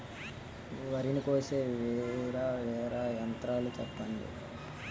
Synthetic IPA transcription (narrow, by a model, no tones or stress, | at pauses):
ʋɐɾinikoːseːʋɛːɾaːʋɛːɾajɐnt̪ɾaːlut͡ʃɛpːɐnḭ